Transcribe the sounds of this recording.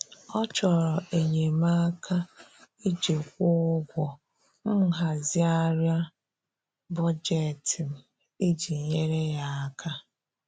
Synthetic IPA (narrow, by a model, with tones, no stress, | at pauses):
ɔ˦t͡ʃɔ˨ɾɔ˨ʔe˨ɲe˨ma˦kʰa˦i˦d͡ʒe˨kʷʊ˦ɡʷɔ˨ | m̩˦ɦa˨zi˦a˦ɾja˦ | bɔ˦d͡ʒe˦˨ti˨m̩˨ | i˦d͡ʒi˨ɲe˦ɾe˦ja˦a˦kʰa˦